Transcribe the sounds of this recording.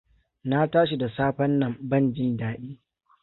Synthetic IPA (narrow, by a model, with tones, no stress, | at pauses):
na˦taː˦ʃ̬i˨da˨saː˦ɸɐ˦nːɐ˨mbɐ˦˨nd͡ʒɪ˦ndaː˦ɗiː˦